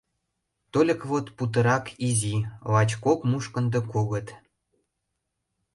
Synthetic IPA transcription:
t̪olʲə̆kβot̪put̪̬ə̆ɾɑkʰizʲilɑt͡ɕkokmuʃkə̆nd̪ɤ̆koɣə̆t̪

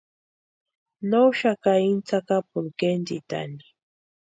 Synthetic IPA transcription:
nowʃakaint͡sakapʊlkend̪it̪a̰ni̥

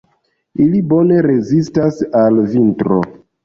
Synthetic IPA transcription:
ilibo̞ne̞ɾe̞zistasalvintɾo̞̰

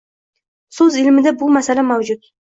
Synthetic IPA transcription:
sɵzɪlmɪd̪abʊmasalamawd͡ʒʊt̪̚

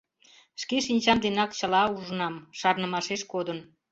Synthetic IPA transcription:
ʃkeʃinʲt͡ɕɑmd̪enɑkt͡ɕəlɑuʒənɑmʃɑrnəmɑʃeʃkod̪ən

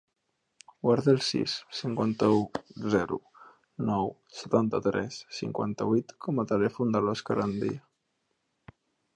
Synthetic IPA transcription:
waɾðelˠsḭsːiŋkwant̪əuzɛɾṵ | nɔw | sə̥t̪ant̪ət̪ɾɛ̰sːḭŋkwa̰nt̪əβuit̪kʰɔmət̪əlɛfund̪əlɔskəɾand̪ḭə

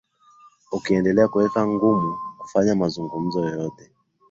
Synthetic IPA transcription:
ukiɛndɛlɛakuwɛkaŋɡumuku̥faɲamazuŋɡum̩zɔjɔjɔtɛ

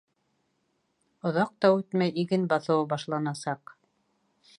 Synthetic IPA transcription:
ŏðɑq̚t̪ɑʉt̪mæjiɡɘnbɑθɤ̆wɤbɑʃlˠɑnɑsɑq

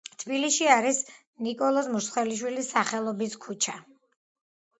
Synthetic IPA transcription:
t̪ʰbiliʃiaɾis | nikʼɔlˠɔsmuɾsχwɛliʃ̬wilisːaχɛlˠɔbiskʰut͡ʃʰa

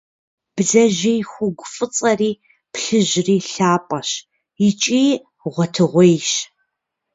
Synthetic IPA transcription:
b̥zɐʒijxʷʊɡʷʊfʼɨt͡sʼɐriː | pɬɨʒriːɬaːpʼɐɕ | ɪt͡ʃʼiː | ʁʷɔtʰɨʁʷejʃ

